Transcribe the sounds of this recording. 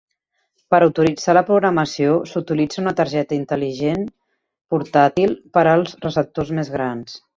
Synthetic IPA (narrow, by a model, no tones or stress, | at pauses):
pəɾuwt̪uɾid͡zaləpɾuɣɾəməsiosut̪ilid͡zəunət̪əɾʒɛt̪əint̪əliʒen | puɾt̪at̪ilˠpəɾəlˠzrəsəp̚t̪ozmezɣɾans